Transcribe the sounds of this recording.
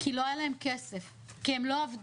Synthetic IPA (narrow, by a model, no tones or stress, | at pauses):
kilo̞ajalaemkesef | kiemlo̞avd